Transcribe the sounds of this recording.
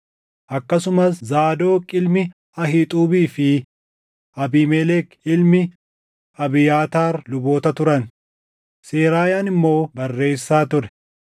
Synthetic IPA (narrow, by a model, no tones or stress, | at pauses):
ʔɐkːɐsʊmɐszaːd̪o̞ːkʼɪlmɪ | ɐɦɪːt̪ʼuːbiːfɪ | ʔɐbiːmɛlɛkɪlmɪ | ɐbɪjaːt̪aːɾlʊbo̞ːt̪ɐt̪ʊɾɐn | se̞ːɾaːjaːnɪmːo̞ːbɐrːe̞ːsːaːt̪ʊɾɛ̥